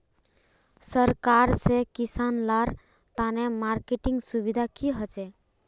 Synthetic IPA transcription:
səɾkaɾsekisanlaɾ | t̪anemaɾkeʈĩŋɡsubid̪ʱakiɦət͡ʃe

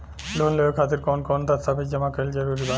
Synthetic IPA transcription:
lonleekʰat̪eɾkɔnkɔnd̪ast̪ʰabekd͡ʑamakeld͡ʑaɾuɾiba

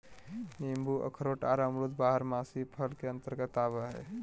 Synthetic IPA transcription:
nimbuʔə̰kʰɾoːʈaːɾaːmɾud̪baːɦəɾmaːsipʰəlkeə̃nt̪əɾkat̪aːʋaɦɛ̰ː

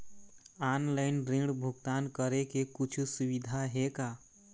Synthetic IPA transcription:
anlaɪnɾẽɖbʱuɡt̪ankəɾekekut͡ʃʰusuβid̪ʱaɦeka

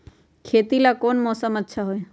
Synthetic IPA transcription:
kʰeːt̪ilakoːnmɔːsəmətːʃʰaɦoe

